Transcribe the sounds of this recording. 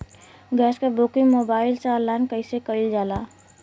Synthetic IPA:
ɡɛːskabukɪŋmoːbaːɪlsaəlːaːnkəɪsekəild͡ʒaːlaː

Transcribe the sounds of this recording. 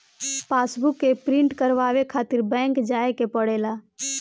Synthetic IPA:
paːsbʊkːepɾɪ̃ɳʈkəɾʋaːʋekʰaːt̪ɪɾbɛ̃ːŋkd͡ʒaːekepəɽeːlaː

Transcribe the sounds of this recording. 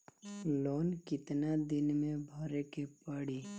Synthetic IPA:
loːnkɪt̪nad̪ɪnmẽbʱɔːɾekepəɽi

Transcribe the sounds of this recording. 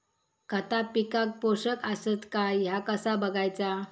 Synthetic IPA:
kət̪apikak̚poɕəkəsət̪kajakəsabəɡʱajt͡sa

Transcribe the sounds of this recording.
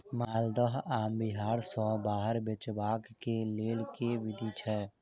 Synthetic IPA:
maːld̪əɦaːmbɪɦaːɾsɔ̃ːbaːɦəɾbet͡ʃbaːkkeleːlkeʋɪd̪ʱit͡ʃʰɛː

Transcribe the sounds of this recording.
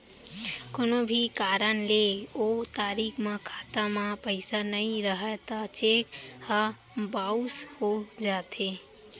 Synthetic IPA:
konobʱikaːɾənleot̪aːɾikʰmãkʰat̪amãpəɪsanəĩɾəɦət̪at͡ʃekha | baushod͡ʒaːt̪ʰe

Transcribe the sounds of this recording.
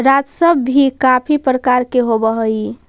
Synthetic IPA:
ɾad͡ʒsəbːʱikapʰipɾəkaɾkeɦobəɦəi

